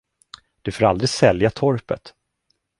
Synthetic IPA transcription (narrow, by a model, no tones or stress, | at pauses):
d̪̥ɵfoːɾald̪ɾɪsɛljat̪ʰɔɾpə̰t̪